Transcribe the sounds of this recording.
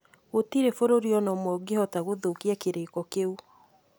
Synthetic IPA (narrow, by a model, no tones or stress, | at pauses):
ɣotiɾefoɾoɾiɔnɔmwɔɡehɔtaɣoðokiɛkeɾekɔkeu